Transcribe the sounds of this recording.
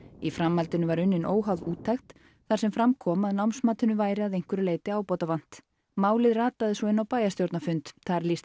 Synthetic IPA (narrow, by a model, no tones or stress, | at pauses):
ifɾamːalt̪ɪnʏvaɾʏnːɪnʔoːwɦawðuːt̪ʰːaxt̪ | θaɾsɛmfɾamkʰɔːmaðnawmsmaːt̪ʏnʏvaːjɾɪaðejŋ̥kʏɾɪleːjt̪ɪaːwpɔːt̪avan̥t̪ | maːwlɪðraːt̪aðɪsvɔɪnːawpaːjast̪jowɾt̪nafʏnt̪ʰaɾliːst̪